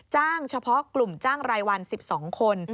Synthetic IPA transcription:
t͡ɕaː˥˩ŋt͡ɕʰa˧pʰɔ˦˥klu˨˩mt͡ɕaː˥˩ŋɾaː˧jwa˧nsi˨˩p̚sɔː˩˦ŋkʰo˧n

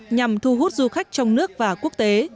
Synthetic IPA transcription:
ɲa˨˩mt̪ʰu˧ɦu˦˥t̚zu˧xa˦˥jk̟̚t͡ɕɔ˧wŋ͡mnɨ˦˥ək̚vaː˨˩ku˦˥ək̚t̪e˨˦

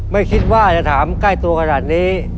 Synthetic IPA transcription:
ma˥˩jkʰi˦˥t̪̚waː˥˩t͡ɕa˨t̪ʰaː˩˦mka˥˩jt̪u˧ɐkʰa˧naː˨˩t̪̚niː˦˥

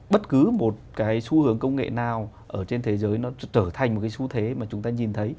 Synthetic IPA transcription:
ɓə˦˥t̚kɨ˨˦mo˨˩t̚kaː˨˦jsu˧hɨ˨˦əŋkə˧wŋ͡mŋḛ˧˨naː˨˩w | ʔəː˧˩t͡ɕe˧nt̪ʰe˨˦zəː˨˦jnɔ˨˦t͡ɕəː˧˩t̪ʰa˨˩jŋ̟m˨˩tkaː˨˦su˨˦t̪ʰe˨˦maː˨˩t͡ɕʊ˨˦ŋ͡mt̪aː˧ɲi˨˩nt̪ʰə˨˦j

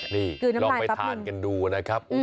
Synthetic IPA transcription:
niː˥˩kɯː˧˩na˦lɔː˧aː˧˩pa˧j̪ʰaː˨˦nka˧nduː˧na˦˥kʰɾa˦˥p̚

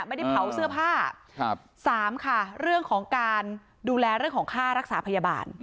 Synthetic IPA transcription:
ʔma˥˩jda˥˩pʰa˩˦wsɯ˥˩ɐpʰaː˥˩˧ | saː˩˦mkʰa˥˩ɾɯ˥˩əŋkʰɔː˩˦ŋkaː˧n | duː˧lɛː˧ɾɯ˥˩əŋkʰɔː˩˦ŋkʰaː˥˩ɾa˦˥k̚saː˩˦pʰa˧jaː˧ba̰ː˧n

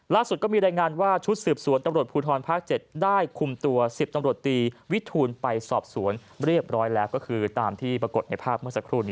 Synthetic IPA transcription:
laː˥˩su˨˩t̪̚kɔ˥˩miː˧ɾaː˧jŋaː˧nwaː˥˩t͡ɕʰu˦˥t̪̚sɯː˨˩p̚su˨˩˦ənt̪a˧mɾu˨˩ət̪̚pʰuː˧t̪ʰɔː˧npʰaː˥˩k̚t͡ɕe˨˩t̪̚daː˥˩jkʰu˧mt̪u˧ɐsi˨˩p̚t̪a˧mɾu˨˩ət̪ːiː˧wi˦˥t̪ʰuː˧npa˧jsɔː˨˩p̚su˩˦ən | ɾi˥˩əp̚ɾɔː˦˥jlɛː˦˥wkɔː˥˩kʰɯː˧t̪aː˧mt̪ʰiː˥˩pɾa˧ko˨˩t̪̚na˧jpʰaː˥˩p̚mɯ˥˩ɐsa˧˥kʰɾuː˧˩niː˦˥

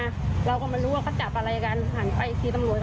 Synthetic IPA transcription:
ɾa˧wkɔː˥˩maː˧nɾuː˦˥waː˧˩ɔː˧˥˩t͡ɕa˨˩p̚ʔa˧ɾaː˧ja˧kaː˧n˧haː˨˦npa˨˩ʔi˨˩k̪ʰiː˧˩t̪a˧mnu˧əj

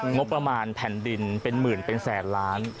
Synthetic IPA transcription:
ŋo˦˥pːɾa˧maː˧npʰɛ˨˩˦ndi˧npe˧nmɯː˨˩npe˧nsɛː˩˦nlaː˦˥n

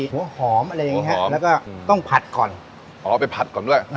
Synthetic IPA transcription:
hu˩˦hɔː˩˦mʔa˧ɾa˧jːa˨˩ŋi˦˥a˦lɛ˦˥wkɔː˥˩t̪ɔ˥˩ŋpʰa˨˩t̪̚kɔ̰ː˨˩n | ʔɔː˨˦pa˧jpʰa˨˩t̪̚kɔː˨˩ndu˥˩əj

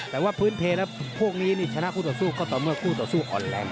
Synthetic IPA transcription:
t̪ɛː˨˩waː˥˩pʰɯː˦˥np̪ʰeː˧˩lɛː˦˥pʰu˥˩ək̚niː˦˥niː˥˩t͡ɕʰa˧na˦˥ʔʰuː˥˩t̪ɔː˨˩suː˥˩kɔː˥˩t̪ɔː˨˩mɯ˧˩əkʰuː˥˩t̪ɔː˨˩suː˥˩ʔɔ̰ː˨˩nlɛː˧˩n

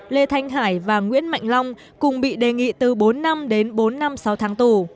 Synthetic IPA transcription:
le˧t̪ʰa˧jŋ̟ɦaː˧˩jvaː˨˩ŋwḭ˧˥ənma̰˧˨jŋ̟la˧wŋ͡m | kʊ˨˩ŋ͡mɓḭ˧˨ɗe˨˩ŋḭ˧˨t̪ɨ˨˩ɓo˨˦nːa˧mɗe˨˦nɓo˨˦nːa˧msa˨˦wt̪ʰaː˨˦ŋt̪u˨˩

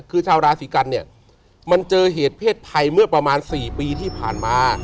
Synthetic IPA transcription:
kʰɯː˧t͡ɕʰaː˧wɾaː˧siː˩˦ka˧nːi˥˩ɐ | ma˧nt͡ɕɤː˧ɦeː˨˩˦t̪̚pʰeː˥˩t̪̚t̪ʰa˧jmɯ˥˩ɐpɾa˧maː˧nsiː˨˩piː˧t̪ʰiː˥˩pʰaː˨˩nmaː˧

